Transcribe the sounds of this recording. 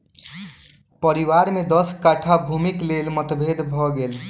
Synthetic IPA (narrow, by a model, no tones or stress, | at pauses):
pəɾiwaɾmed̪ɔskaʈʰabʱumiklelmət̪bʱed̪bʱɔɡel